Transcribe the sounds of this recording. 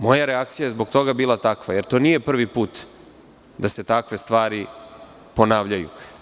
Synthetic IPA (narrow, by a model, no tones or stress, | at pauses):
mo̞jaɾeak̚t̪sijajezbo̞ɡt̪o̞ɡabiːlˠat̪akʋajeɾt̪o̞ːnije̞pr̩ʋipuːt̪ | d̪ase̞t̪akʋe̞st̪ʋaːɾi | po̞naːʋʎajṵ